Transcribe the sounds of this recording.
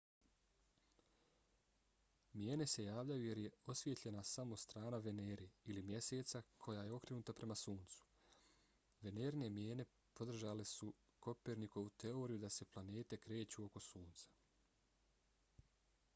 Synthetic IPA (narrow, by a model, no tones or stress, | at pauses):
mjeːne̞se̞jaːʋʎajuje̞ɾje̞o̞sʋjet̪ʎe̞nasamo̞st̪ɾaːnaʋe̞neːɾiilimje̞se̞ːt̪sakʰo̞jaje̞o̞kɾenuːt̪apɾe̞masuːnt̪su̥ | ʋe̞ne̞ːɾnemjeːne̞ | po̞d̪r̩ʒalesu | ko̞peɾniko̞ʋut̪e̞o̞ɾijud̪ase̞plane̞ːt̪e̞kɾe̞ːt͡ɕuo̞ko̞suːnt̪sḁ